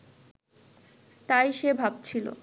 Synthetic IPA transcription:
t̪ajʃebʱab̚t͡ɕʰilo̰

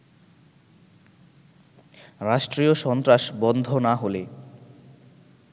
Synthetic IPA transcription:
ɾaʃʈɾioʃɔnt̪ɾaʃbɔnd̪ʱonaɦole

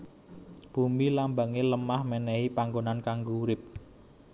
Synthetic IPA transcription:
b̥umilambaŋeləmahmɛnɛipaŋɡonankaŋɡouɾɪp̚

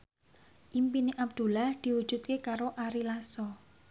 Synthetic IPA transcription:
ʔimpineʔab̚d̪̥ṳlahd̪̥i̤wud̥ʒ̥ṳt̪̚kekaɾoʔaɾilasɔ

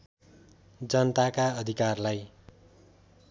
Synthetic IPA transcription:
d͡zʌnʌt̪akaʌd̪ʱikarlaj

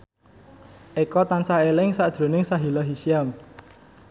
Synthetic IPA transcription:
ʔekɔt̪ansaelɪŋsaʔd̥ʒ̥ɾo̤nɪŋsaɦilaɦisiam

